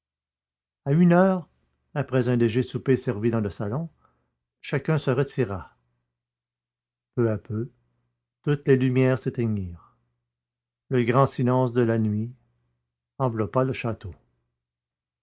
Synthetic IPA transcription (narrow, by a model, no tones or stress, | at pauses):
aynœːʁ | apʁɛzɛ̃leʒesupesɛʁvid̪ɑ̃ləsalɔ̃ | ʃakʲœ̃səʁət̪iʁa | pøapʰø | t̪ut̪lelymjɛːʁset̪ɛɲiːʁ | ləɡʁɑ̃silɑ̃sd̪əlanɥi | ɑ̃vlɔpaləʃat̪o